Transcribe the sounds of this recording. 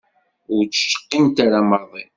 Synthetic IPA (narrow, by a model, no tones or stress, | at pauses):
ʊɾt͡sə̥ʃə̥qːint̪aɾaməɾðˤin